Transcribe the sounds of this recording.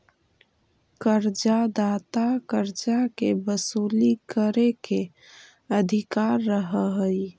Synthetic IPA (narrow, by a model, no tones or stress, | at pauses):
kəɾd͡ʒad̪aːt̪akəɾd͡ʒakebəsuːlikəɾeke | əd̪ʱikaɾːəɦəɦəi